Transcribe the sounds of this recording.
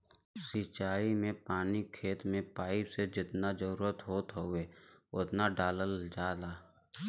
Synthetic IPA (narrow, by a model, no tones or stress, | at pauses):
sit͡ʃaːimẽpaːnikʰeːt̪mẽpaːɪpsed͡ʒɪt̪nad͡ʒəɾuːuːɾət̪ɦoːt̪ɦoʋeʊt̪naɖaːləld͡ʒaːlaː